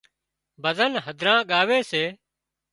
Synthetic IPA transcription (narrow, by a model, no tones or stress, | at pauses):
bʱəzənɦəd̪ʱɾãːɠaːʋeːseː